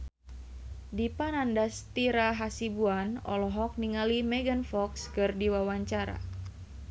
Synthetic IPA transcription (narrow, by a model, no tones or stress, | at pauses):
dipanandast̪iɾaɦasibuanɔ̰lɔɦɔk̚niŋalimɛɡənfɔkskɨrdiwawaɲt͡ʃaɾa̰